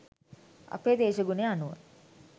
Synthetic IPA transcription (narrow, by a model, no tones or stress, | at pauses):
a̰peːd̪eːʃəɡuneanuʋə̰